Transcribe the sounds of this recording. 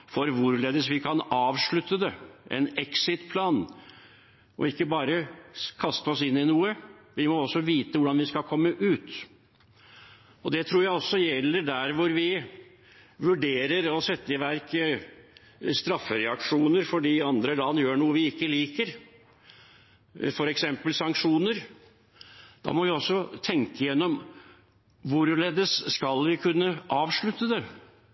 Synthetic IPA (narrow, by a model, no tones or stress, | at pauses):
fɔɾʋʊɾleːd̪əsʋɪkʰɑnɑːʋʂɭʉt̪ːəd̪ɛʔɛ̰nɛksɪt̪pʰlɑːn | ʔɔ̰ɪkːəbɑːɾəkʰɑst̪əɔsɪnːɪnuːəʋɪmɔɔsːɔʋiːt̪əʋʊɖɑnʋɪskɑkʰɔmːəʔʉːt̪ | ɔd̪ɛt̪ʰɾuːɾjæɪɔsːɔjɛlːəɖæɾʋʊɾʋɪ | ʋʉɖeːɾəɾɔsɛt̪ːəɪʋæɾk | st̪ɾɑfːəɾɛɑkʂuːnəɾfɔɖiːɑnd̪ɾəlɑnːjøːɳuːəʋɪɪkːəliːkəɾ | fɔɾɛksɛmpəlsɑŋkʂuːnəɾ | d̪̥ɑ̰ːmɔʋɪɔsːɔt̪ʰɛŋkəjɛnːɔm | ʋʊɾleːd̪əsːkɑlʋɪkʰʉnːəʔɑːʋʂɭʉt̪ːəd̪ɛ